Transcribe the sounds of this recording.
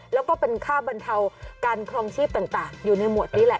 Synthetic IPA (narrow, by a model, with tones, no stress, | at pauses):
lɛ˦˥wkɔː˥˩pe˧nkʰaː˥˩ba˧nt̪ʰa˧wkaː˧nkʰɾɔ˧ŋt͡ɕʰiː˥˩p̚t̪a˨˩ŋt̪aː˨˩ŋjuː˨˩na˧jmu˨˩ət̪̚niː˦˥lɛ˨˩ʔ